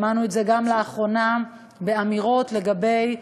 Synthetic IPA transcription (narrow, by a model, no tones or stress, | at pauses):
manuetze̞ɡamleaχʁo̞na | be̞amiʁo̞tle̞ɡabe̞j